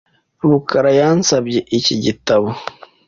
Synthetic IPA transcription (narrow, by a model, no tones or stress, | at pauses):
βukaɾajaːnsabjeʔiciɟitaβo